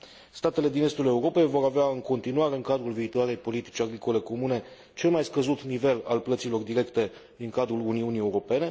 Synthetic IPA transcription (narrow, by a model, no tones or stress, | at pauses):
st̪at̪e̞le̞d̪ine̞st̪ule̞uɾo̞pe̞jvo̞ɾaveaɨŋko̞nt̪inuwaɾe̞ɨŋkad̪ɾulviːt̪oaɾe̞jpo̞lit̪i̥t͡ʃʲaɡɾiko̞le̞ko̞mune̞ | t͡ʃe̞lmajskəzut̪nive̞lalplət̪silo̞rd̪iɾe̞kt̪e̞ | d̪iŋkad̪ɾuluniunie̞uɾo̞pe̞ne̞